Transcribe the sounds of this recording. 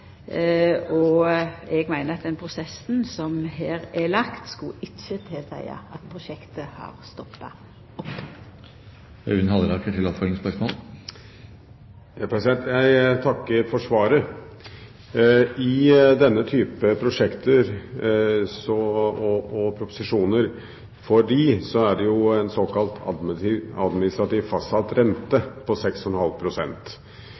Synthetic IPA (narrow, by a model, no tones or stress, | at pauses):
ɔ | ɛɡmæɪnəɾɑt̪̚d̪ɛnpʰʁʊsɛsn̩sɔmɦeːɾɛlɑkt̪skʊɪçət̪ʰɛsæ̰ɪɑ̰ɑt̪pʰɾʊʃɛkt̪əhɑ̰ɾst̪ɔpːɑ | ɔp | œ̰ʉnhɑləɾɑkəʈ̪ʰɪlɔpfœlɪŋspœʂmo̰ːl | jɑpʰɾɛsɪd̪ɛnt̪jæɪt̪ʰɑkːəɾfɔʂʋɑːɾə | ɪd̪ɛnːət̪ʰyːpəpʰɾʊʂɛkt̪əɾ | sɔɔɔpʰɾʊpʊ̥sɪʂuːnəɾ | fɔɖiːsɔæɖɛjʊɛnsɔːkɑlt̪ʰɑ̰d̪ɑd̪mɪnɪst̪ɾɑt̪iːʋfɑsɑlt̪ɾɛnt̪əpʰɔsɛksɔnhɑlpʰɾʊsɛ̰nt̪